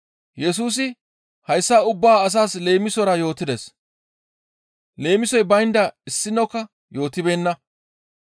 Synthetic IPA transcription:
jɛs̬uːs̬ɪ | hɐjsːɐʊbːaːɐs̬aːsle̞ːmɪsɔɾɐjo̞ːt̪ɪd̪ɛs | le̞ːmɪsɔjbɐjnd̪ɐɪsːɪnːɔkːɐ | jo̞ːt̪ɪbe̞ːnːɐ

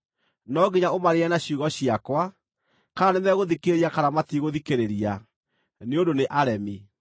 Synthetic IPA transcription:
nɔɡiɲaomaɾeɛnaɕiuɣɔɕiakwa | kaanɛnɛɣoðikeɾeɾiakaɾamatiɣoðikeɾeɾia | neondoneʔaɾɛmi

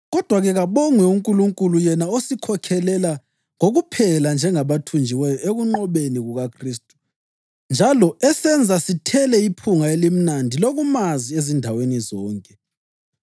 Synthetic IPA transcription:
ɣɔd̥ʱwaɣɛɣaβɔŋwɛuŋkʼuluŋkʼulujɛnaosikʰɔkʰɛlɛla | ŋoɣupʰɛland͡ʒʱɛŋaβatʰund͡ʒʱiwɛjɔʔeɣuŋ͡ǃɔβeniɣuɣakʰriːstʼu̥ | nd͡ʒʱalɔɛsɛnd͡zʱasitʰɛlɛipʰuŋaelim̩nandʱiloɣumaziezindʱawenizɔːŋkʼɛ

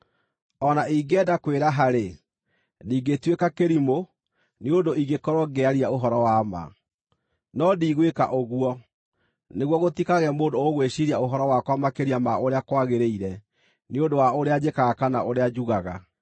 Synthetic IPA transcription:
ɔnaiɡɛdakweɾaɦaɾe | diːɡetwekakeɾimo | neondoiɡekɔɾɔɡɛaɾiaoɦɔɾɔwama̰ | nɔdiːɣweka̰ʔoɣwɔ | neɣwɔɣotikaɣɛmoːndooɣweɕiɾiaoɦɔɾɔwakwamakeɾiamaoɾeakwaɣeɾeiɾɛ | neondowaoɾead͡ʑekaɣakanaoɾead͡ʑuɣaɣa

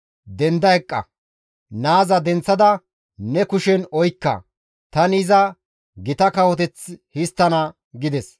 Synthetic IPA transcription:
d̪ɛnd̪ɐjkʼːɐ̰ | naːzɐd̪ɛnt͡sːɐd̪ɐ | nɛkʊʃɛnɔjkːɐ̰ | t̪ɐnizɐ | ɡɪt̪ɐkɐwɔt̪ɛt͡shɪst̪ːɐnɐ | ɡɪd̪ɛs

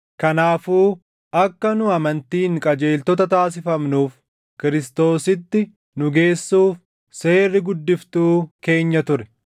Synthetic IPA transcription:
kɐnaːfuː | ɐkːɐnʊɐmɐnt̪iːŋkʼɐd͡ʒe̞ːlt̪ɔt̪ɐt̪aːs̬ɪfɐmnuːf | kɪɾɪst̪o̞ːsɪt̪ːɪ | nʊɡe̞ːsːuːf | se̞ːrːɪɡʊd̪ːɪft̪uːke̞ːɲːɐt̪ʊɾɛ̥

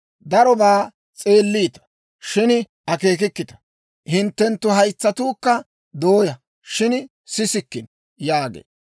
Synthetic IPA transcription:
d̪ɐɾɔbaː | t͡sʼe̞ːlːiːt̪ɐ̥ | ʃɪn | ʔɐke̞ːk̬ɪkːɪt̪ɐ̥ | hɪnt̪ːɛnt̪ːʊɦɐjt͡sːɐt̪uːkːɐ | d̪o̞ːjɐ | ʃɪn | sɪsɪkːɪn | jaːɡḛː

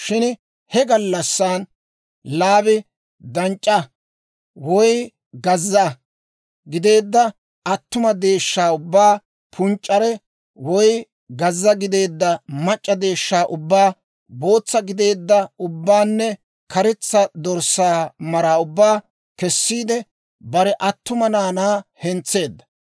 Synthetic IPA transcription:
ʃɪn | hɛɡɐlːɐsːan | laːbɪ | d̪ɐnt͡ʃʼːɐ | wɔj | ɡɐzːɐ | ɡɪd̪e̞ːd̪ːɐ | ʔɐt̪ːʊmɐd̪e̞ːʃːaːʊbːaː | pʰʊnt͡ʃʼːɐɾɛ | wɔj | ɡɐzːɐɡɪd̪e̞ːd̪ːɐmɐt͡ʃʼːɐd̪e̞ːʃːaːʔʊbːaː | bo̞ːt͡sːɐɡɪd̪e̞ːd̪ːɐʊbːaːnːɛ | kʰɐɾɛt͡sːɐd̪ɔɾsaːmɐɾaːʊbːaː | kɛsːiːd̪ɛ | bɐɾɛʔɐt̪ːʊmɐnaːnaːhɛnt͡sːe̞ːd̪ːɐ̥

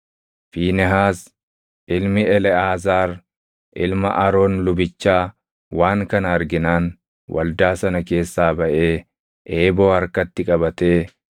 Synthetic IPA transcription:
fiːnɛɦaːs | ʔɪlmɪɛlɛaːzaːɾ | ʔɪlmɐ̰ʔɐɾo̞ːnlʊbɪt͡ʃːaː | waːŋkɐnɐɐɾɡɪnaːn | wʔɐ̰ld̪aːsɐnɐke̞ːsːaːbɐʔe̞ː | ʔeːbo̞ːɐɾkɐt̪ːɪkʼɐbɐt̪e̞ː

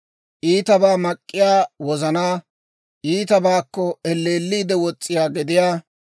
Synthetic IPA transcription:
ʔiːt̪ɐbaːmɐkʼːɪjaːwɔzɐnaː | ʔiːt̪ɐbaːkːɔɛlːeːlːiːd̪ɛwɔt͡sʼːɪjaːɡɪd̪ɪjaː

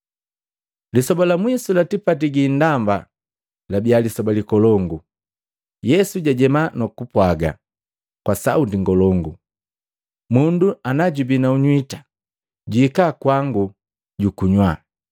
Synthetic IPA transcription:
lisɔbalamwisulatipatiɡin̩damba̰ | labialisɔbalikɔlɔŋɡu | jɛsuɟaɟɛmanɔkupwaɡa̰ | kwasautiŋɡɔlɔŋɡu | munduanaɟubinauɲwitḁ | ɟukakwaŋɡu | ɟukuɲwa

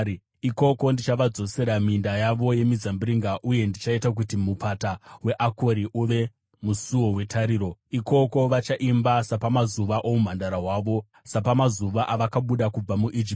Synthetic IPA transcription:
iko̞ko̞ndit͡ʃaʋad͡zo̞se̞ɾamindajaʋo̞je̞mizambiɾiŋɡaʔuje̞ndit͡ʃaitak̬utimupatawe̞ʔako̞ɾiʔuʋe̞ | musuwo̞we̞tʰaɾiːɾo̞iko̞ko̞ʋat͡ʃaʔimbasapamazuʋaʔomum̤andaɾaɦwaːʋo̞ | sapamazuʋaʔaʋakaɓuɗakub͡vamuʔid͡ʒip

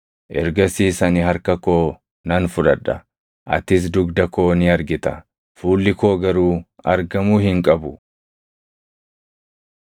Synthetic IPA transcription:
ʔɛ̰ɾɡɐsiːsɐnɪɦɐɾkɐko̞ː | nɐnfʊᶑɐᶑːɐ | ʔɐ̰t̪ɪs̬d̪ʊɡd̪ɐko̞ːnɪɐɾɡɪt̪ɐ | fuːlːɪko̞ːɡɐɾuː | ɐɾɡɐmuːhɪŋkʼɐbʊ

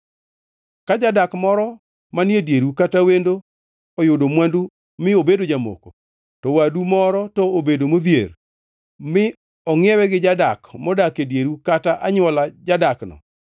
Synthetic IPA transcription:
kad͡ʒadakmɔɾɔ | manjedjeɾukatawendo | ɔjʊdomwandu | mɪobedod͡ʒamo̰ko̰ | tɔwadumɔɾɔtɔobedomoðjḛr | mɪ | ɔŋɪɛwɛɡɪd͡ʒadakmɔdakedjeɾukataʔaɲwɔlad͡ʒadaknɔ̰

